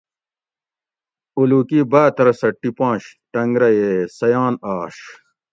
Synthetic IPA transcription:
ulukibaːt̪ɐɾɐsɐʈːipãːɕʈɐŋɡɾɐjeːsɐjaːnaːʂ

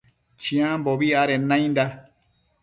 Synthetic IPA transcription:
t͡ʃĩãmboβiaɾenãĩnd̪a

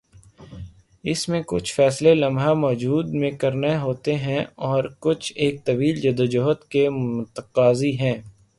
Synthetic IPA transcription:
ɪsmẽkʊ̰t͡ʃʰfɛːslelɐ̃mbʱɦamɔːd͡ʒuːd̪mẽkɐɾneɦoːt̪eɦɛ̃ɔːɾkʊt͡ʃʰeːk̚t̪ɐbiːld͡ʒɐd̪əd͡ʒoːɦət̪kemʊt̪əqaːziɦɛ̃ː

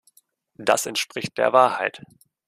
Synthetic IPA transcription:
d̥asɛntʃpʁ̥ɪçt̚d̥eːɐvaːɐhaɪt

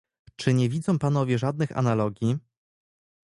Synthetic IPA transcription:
t͡ʂɘɲɛvʲid̪zɔ̃w̃panɔvʲjɛʐad̪̚nɘxa̰nalɔɡʲji

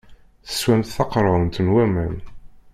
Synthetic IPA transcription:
θə̥swæmt̪θɑqɾˤəˤnt̪ənwæmən

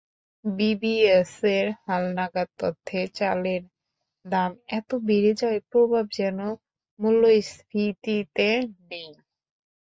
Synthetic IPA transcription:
bibieseɾhalnaɡad̪̚t̪ɔt̪ʰːet͡ɕaleɾ | d̪amɛt̪obiɾid͡ʑɔepɾobʱab̚d͡ʑɛno | mulːojsɾit̪it̪eɖiŋ

